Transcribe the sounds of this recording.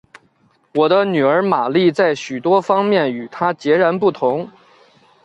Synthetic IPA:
wɔ˨˩d̪ə˦ny˨˩ə˞˧˥ma˨˩li˥˧t͡sa˥˩ɪɕy˨˩t̪wɔ˥fɑ˥ŋmjɛ˥˩ny˨˩t̪ʰa˥t͡ɕjɛ˧˥ɻa˧˥npu˥˩t̪ʰʊ˧˥ŋ

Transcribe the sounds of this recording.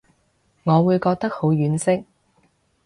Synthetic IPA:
ŋɔː˨˧wuː˨˧jkɔː˧k̚t̪ɐ˥k̚ho˨˧˥wjyː˨˥nsɪ˥k̚

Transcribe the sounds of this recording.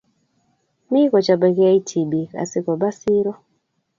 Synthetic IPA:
mi˦kɔ˨t͡ʃa˨ba˨kja˦i˦tʰi˨bi˨ka̰˨sɪ˦kɔ˨ba˦si˦ɾɔ˦

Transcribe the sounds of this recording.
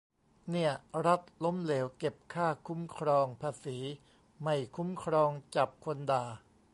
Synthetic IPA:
ni˥˩ɐɾa˦˥t̪̚lo˦˥mleː˩˦wke˨˩p̚kʰaː˥˩kʰu˦˥mkʰɾɔː˧ŋpʰaː˧siː˩˦ | ma˥˩jkʰu˦˥mkʰɾɔː˧ŋt͡ɕa˨˩p̚kʰo˧ndaː˨˩

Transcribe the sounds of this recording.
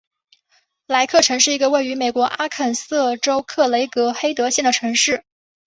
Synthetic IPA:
la˧˥ɪkʰɤ˥˩ʈ͡ʂʰɤ˧˥ŋʂɻ̩˥˩i˧˥ɡə˧we˥˩ɪy˧˥me˨˩ɪkwɔ˧˥ʔa˥kʰə˨˩nsɤ˥˩ʈ͡ʂo˥ʊkʰɤ˥˩le˧˥ɪkɤ˧˥xe˥ɪt̪ɤ˧˥ɕjɛ˥˩nd̪ə˩ʈ͡ʂʰɤ˧˥ŋʂɻ̩˥˩

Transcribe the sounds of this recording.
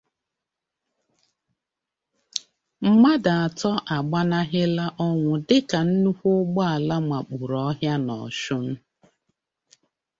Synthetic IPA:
m̩˦ma˦da˨a˨tɔ˦ʔa˨ɡ͡ba˦na˦ɦɪ˦la˦ʔɔ˦ŋʷʊ˨dɪ˦ka˨n̩˦nu˦hʷʊ˦ɡ͡bɔ˦a˨la˦ma˨k͡pu˨ɾɔ˦ɦja˦nɔ̰˨ʃʊ˦m̩˦

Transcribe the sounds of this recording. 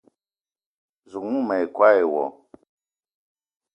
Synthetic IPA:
zu˨mu˦mɛ˨i˨kwa˦ɛ˨wɔ̰˨

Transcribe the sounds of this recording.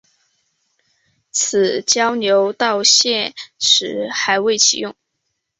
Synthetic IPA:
t͡s̩ʰ˨˩t͡ɕjɑ˥ʊnjo˧˥ʊt̪ɑ˥˧ʊɕjɛ˥˧nʂʰɻ̩˧˥xa˧˥ɪwe˥˩ɪt͡ɕʰḭ˨˩jʊ˥˩ŋ

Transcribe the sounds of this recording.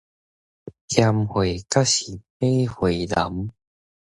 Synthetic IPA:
tʰja˧mhwe˨˩ka˦˥ɕi˨˩pe˥˦hwe˨˩la˨˦m

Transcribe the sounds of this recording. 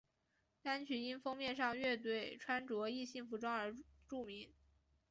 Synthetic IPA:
t̪a˥nt͡ɕʰy˧˥i˥nfɤ˥ŋmjɛ˥˧nʂɑ˥˧ŋɥɛ˥˧t̪we˥˩ɪʈ͡ʂʰwa˥nʈ͡ʂwɔ˧˥i˥˧ɕi˥˩ŋfu˧˥ʈ͡ʂwɑ˥ŋə˞˧˥ʈ͡ʂu˥˩mi˧˥ŋ

